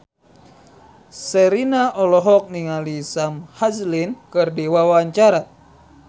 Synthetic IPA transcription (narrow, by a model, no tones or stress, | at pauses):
səɾinaʔɔlɔɦɔk̚niŋalisamhazlinkɨrdiwawaɲt͡ʃaɾa